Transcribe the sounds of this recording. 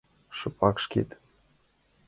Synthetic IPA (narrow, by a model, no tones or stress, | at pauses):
ʃɤ̆pʰɑkʃkḛt̪